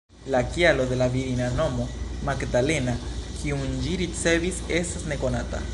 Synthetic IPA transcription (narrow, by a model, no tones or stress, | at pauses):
lakijalo̞d̪e̞laviɾinano̞mo̞maɡdale̞nakʰiund͡ʒiɾit͡se̞vise̞stasne̞ko̞nata̰